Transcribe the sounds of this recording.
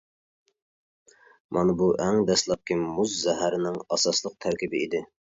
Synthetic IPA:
mʔɑnɨbuʔɛŋd̪ɛslˠɑp̚kʲʰimuzːɛɦæɾɪnɪŋɑsɑslˠəq̚t̪ʰæɾkʲibɪid̪ɪ

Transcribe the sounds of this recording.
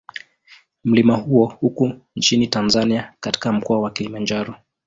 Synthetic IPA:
m̩limahuɔhukunt͡ʃinitanzaniakati̥kam̩kɔawakilimand͡ʒaɾɔ

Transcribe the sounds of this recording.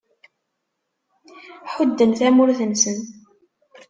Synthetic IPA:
ħʊd̪ːənθæmʊɾθənsən

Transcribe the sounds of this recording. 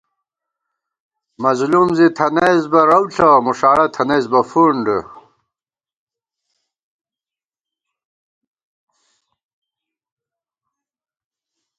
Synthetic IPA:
mɐzlumzit̪ʰɐnezbɐɾɐwɬʰɐmuʂaːɽɐt̪ʰɐnezbɐfuɳɖə

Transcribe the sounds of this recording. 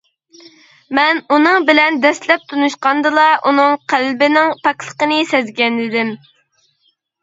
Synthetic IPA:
mɛnunɨŋbɪlɛnd̪ɛslɛp̚t̪ʰunuʃqɑnd̪ɨlˠɑʔunɨŋqʰælbɪnɪŋpʰɑklˠə̥qənɨsɛzɡʲɛnɪd̪ɪm

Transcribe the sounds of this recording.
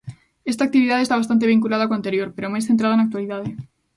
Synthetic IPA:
est̪ak̚t̪iβiðaðest̪aβast̪ant̪eβ̞iŋkulað̞akoant̪eɾjoɾpeɾomajsθent̪ɾað̞anakt̪waliðaðe

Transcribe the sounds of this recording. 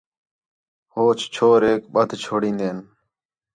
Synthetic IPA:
hoːt͡ʃt͡ʃʰoːɾeːkɓəd̪ʱt͡ʃʰoːɽĩːnd̪eːn

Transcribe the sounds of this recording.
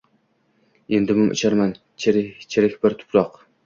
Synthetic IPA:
end̪ɪmʊmʔɪ̰t͡ʃʰaɾman | t͡ʃʰeɾɪt͡ʃʰɪɾɪkʲbɪɾt̪ʰʊ̥pʰɾɒq

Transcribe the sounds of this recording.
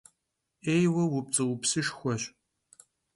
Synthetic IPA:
eːjwɐwʊp̚t͡sʼɨwʊpsɨʂxʷɔɕ

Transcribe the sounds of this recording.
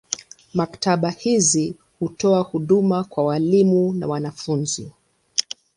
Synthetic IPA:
maktaɓahizi | hutɔahuɗumakwawalimuna̰wanafunzi

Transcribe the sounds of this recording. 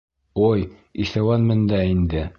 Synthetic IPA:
oj | iʃæwɑnmɘ̆nd̪ɑind̪ɘ

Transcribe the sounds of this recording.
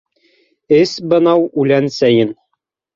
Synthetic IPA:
ɘsbɤ̆nɑwʉlænsæjɘn

